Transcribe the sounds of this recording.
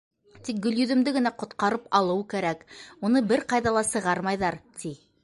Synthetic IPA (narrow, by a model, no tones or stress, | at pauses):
t̪ik̚ɡɵ̆ljɵ̆ðɵ̆md̪ɘɡɘ̆næqŏt̪̚qɑɾɤpɑlˠɤwkæɾækunɤbɘɾqɑjðɑlˠɑsɤ̆ʁɑɾmɑjðɑɾt̪i